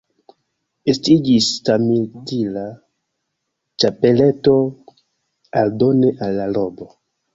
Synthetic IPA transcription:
estid͡ʒistamildila | t͡ʃapele̞to̞ | aldo̞neʔalːalo̞bo

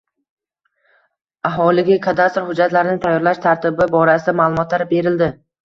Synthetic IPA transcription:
aɦɒlɪɡʲakʰad̪ast̪ɾhʊd͡ʒːat̪laɾɪnɪt̪ʰajːɒɾlaʃt̪ʰaɾt̪ʰɪbɪbɒɾasɪd̪amaːlˠʊmɒt̪laɾbe̞ɾɪld̪ɪ

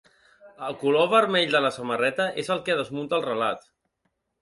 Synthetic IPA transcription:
əlˠkuloβəɾmɛʎd̪ələsəmərɛt̪əʔezəlˠkəðəzmunt̪əːlˠrəlat̪

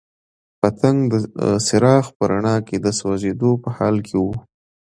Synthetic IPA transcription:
pat̪aŋɡd̪əsɪɾɑxpəɾaɳɑked̪əswazed̪opəhɑlkʰewu

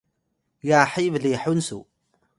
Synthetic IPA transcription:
jaħivliħunsṵ

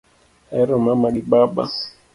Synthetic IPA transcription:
ɛɾɔmamaɡiɓaba̰

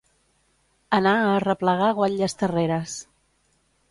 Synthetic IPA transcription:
ənaərəpləɣ̞aɣwaʎʎəst̪əreɾəs

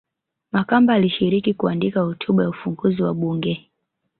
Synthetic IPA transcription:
makambaːliʃiɾikikuandikahutʰuɓajaufuŋɡuziwaɓuŋɡɛ

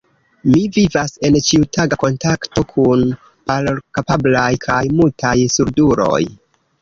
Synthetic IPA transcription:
mivivase̞nt͡ʃiutaɡako̞ntakto̞kʰun | palkapablajkʰajmultʰajsuɾduɾo̞̰j

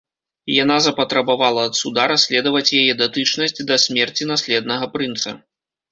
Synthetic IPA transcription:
ijanazɐpɐt̪ɾɐbavalˠɐːt̪sud̪aɾasʲlʲɛd̪ɐvɐt͡sʲjajɛd̪at̪ɨt͡ʂnɐsʲd͡zʲd̪ɐsʲmʲɛrt͡sʲinasʲlʲɛd̪̚nɐɣɐpɾɨnt̪sɐ̰

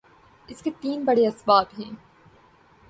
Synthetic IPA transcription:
ɪsket̪iːnbɐɽeɐsbaːbɦɛ̃ː

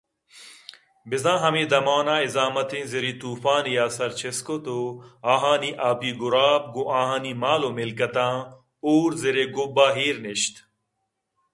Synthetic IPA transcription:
bizãːɦɐmiːd̪ɐmaːnãːizaːmɐt̪ĩːziɾit̪uːfaːnijaːsɐɾt͡ɕʰeskot̪oaːɦaːniʔaːpiːɡuɾaːp̚ɡoʔãːɦãːnimaːlomilkɐt̪ãː | uːɾziɾeɡubaːɦiːɾneɕt̪

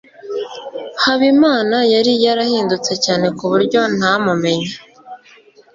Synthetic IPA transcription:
haβimaːnajaɾijaɾahiːndut͡se̞caːne̞kuβuɾɟo̞n̥hamume̞ɲa

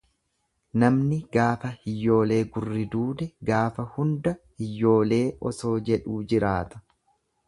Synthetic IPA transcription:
nɐmnɪɡaːfɐhɪjːo̞ːle̞ːɡʊrːɪd̪uːd̪ɛɡaːfɐhʊnd̪ɐhɪjːo̞ːle̞ːʔɔso̞ːd͡ʒɛᶑuːd͡ʒɪɾaːt̪ɐ̥

